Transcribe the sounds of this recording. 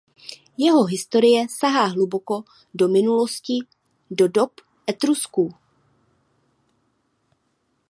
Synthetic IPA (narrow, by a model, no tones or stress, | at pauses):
jɛɦo̞ɦɪst̪o̞ɾɪjɛsaɦaːɦluboko̞ | do̞mɪnulo̞scɪ | do̞do̞p | ʔɛt̪ɾusku